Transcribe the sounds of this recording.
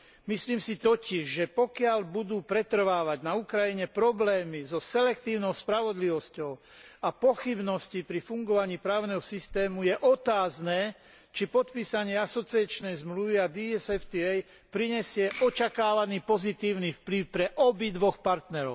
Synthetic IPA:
misliːmsit̪ɔciʒʒɛpɔkɪalbud̪uːpɾɛt̪r̩ʋaːʋaɟnaukɾajiɲɛpɾɔblɛːmizɔsɛlɛkt̪iːʊnɔʊspɾaʋɔd̪liʋɔscɔʊ | apɔxibnɔscipɾifuŋɡɔʋaɲiːpɾaːʊnɛɦɔsist̪ɛːmujɛʔɔt̪aːznɛː | t͡ʃipɔt̪piːsaɲɪɛasɔt͡siat͡ʃnɛjzmluʋiad̪iɛsɛft̪iɛj | pɾiɲɛsɪɛʔɔt͡ʃakaːʋaniːpɔzit̪iːʊnifpliʊpɾɛʔɔbid̪ʋɔxpaɾt̪nɛɾɔ̰ʊ

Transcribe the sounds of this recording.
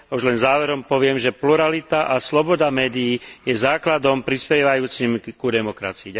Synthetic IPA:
auʒlɛnzaːʋɛɾɔmpɔʋɪɛmʒɛpluɾalit̪aʔaslɔbɔd̪amɛːd̪ijːjɛzaːklad̪ɔmpɾispɛʋajuːt͡simkud̪ɛmɔkɾa̰t͡siia

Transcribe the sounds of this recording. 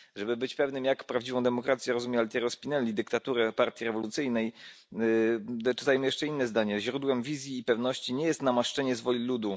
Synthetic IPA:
ʐɛbɘbɘt͡ɕpɛvnɘmjakpɾavd͡ʑivɔ̃w̃d̪ɛmɔkɾat̪sʲjɛɾɔzumjalʲt̪ʲɛɾɔspʲinɛlʲid̪ɘkt̪at̪uɾɛpaɾt̪ʲjiɾɛvɔlut̪sɘjnɛj | d̪t͡ʂɘ̥t̪ajmɘjɛʂt͡ʂɛinːɛzd̪aɲɛʑɾud̪wɛmvʲizʲjiːpɛvnɔɕt͡ɕiɲɛjɛst̪namaʂt͡ʂɛɲɛzvɔlʲilud̪u

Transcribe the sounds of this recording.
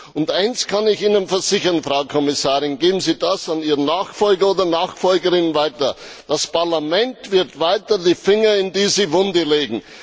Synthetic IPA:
ʊntʔaɪnskʰanɪçiːnənfɛɐzɪçɐnfʁaʊkʰɔmɪsaːʁɪnɡeːbm̩ziːdasaniːʁənnaːxfɔlɡɐoːdɐnaːxfɔlɡəʁɪnənvaɪtɐ | d̥aspaʁlamɛntv̥ɪɐtvaɪtɐdiːfɪŋɐɪndiːzivʊndəleːɡŋ̩

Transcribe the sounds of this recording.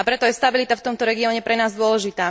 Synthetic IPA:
apɾɛt̪ɔjɛst̪abilit̪aft̪ɔmt̪ɔɾɛɡiɔːɲɛpɾɛnaːzd̪ʊɔlɛʒit̪aː

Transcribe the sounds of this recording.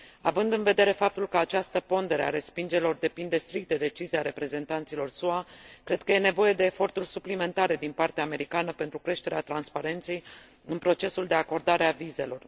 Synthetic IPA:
a̰vɨnd̪ɨnve̞d̪e̞ɾe̞fap̚t̪ulkəat͡ʃast̪əpo̞nd̪e̞ɾea̰ɾe̞spind͡ʒeilo̞rd̪e̞pind̪e̞st̪ɾik̚t̪̚d̪e̞d̪e̞t͡ʃiziaɾe̞pɾe̞ze̞nt̪ant̪silo̞rsuakɾe̞d̪̥̚kəje̞ne̞vo̞je̞d̪e̞ːfo̞rt̪urʲsuplime̞nt̪aɾe̞d̪inpart̪eaːme̞ɾikanəpe̞nt̪ɾukɾe̞ʃt̪e̞ɾeat̪ɾanspaɾe̞nt̪se̞j | ɨnpɾo̞t͡ʃe̞suld̪e̞ako̞rd̪aɾeavize̞lo̞r

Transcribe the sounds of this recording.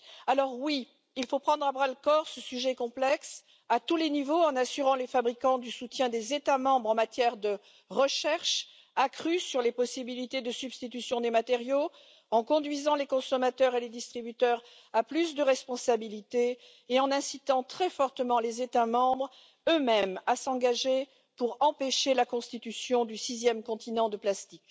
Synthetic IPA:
alɔʁwi | ilfopχɑ̃d̪ʁabʁalkɔʁsəsyʒɛkɔ̃plɛks | at̪ulenivoɑ̃nasyʁɑ̃lefabʁikɑ̃d̪ysut̪jɛ̃d̪ezet̪amɑ̃bʁɑ̃mat̪jɛʁd̪ə | ʁəʃɛʁʃ | akχysyʁlepɔsibilit̪ed̪əsybst̪it̪ysjɔ̃d̪emat̪eʁjo | ɑ̃kɔ̃d̪ɥizɑ̃lekɔ̃sɔmat̪œʁeled̪ist̪χibyt̪œʁ | aplysd̪əʁɛspɔ̃sabilit̪eː | ɑ̃nɛ̃sit̪ɑ̃t̪χɛfɔʁt̪əmɑ̃lezet̪amɑ̃bʁ | ømɛmasɑ̃ɡaʒe | puʁɑ̃peʃelakɔ̃st̪it̪ysjɔ̃d̪ysizjɛmkɔ̃t̪inɑ̃d̪əplast̪ik

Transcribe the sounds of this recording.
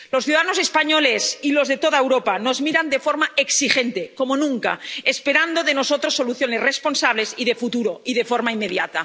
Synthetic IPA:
losθjuðaðanosespaɲolesilozðet̪oðaewɾopano̞zmiɾand̪e̞foɾmaeksixent̪eko̞monũŋka̰espeɾand̪o̞ðenosot̪ɾosːo̞luθjo̞ne̞srespo̞nsaβ̞lesiðe̞fut̪uɾoiðefoɾmaimːeðjat̪a

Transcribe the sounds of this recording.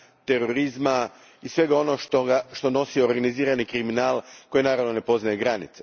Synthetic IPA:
t̪e̞ɾoɾizma | isʋe̞ɡao̞noʃt̪oɡaʃt̪o̞no̞sioɾɡaniziːɾanikɾiminaːlˠko̞jinaːɾaʋno̞ne̞po̞znajeɡɾanit̪se

